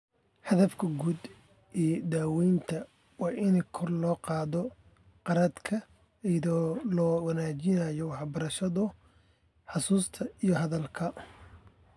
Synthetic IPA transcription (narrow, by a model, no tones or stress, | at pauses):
ħɐðɐfkʰɐɡuːd̪ | ʔiːjd̪aːwɛjnt̪ʰɐ | wɑːʔɪnkʰɔrlɔːqɑːðɔ | qɑɾɐd̪kʰɐ | ɛðɔːlɔwɐnaːt͡ʃɪnɐjɔwɑħbɐɾɐʃɐðʊ | ħɑsuːst̪ʰɐijɔɦɐðɐlkʰɐ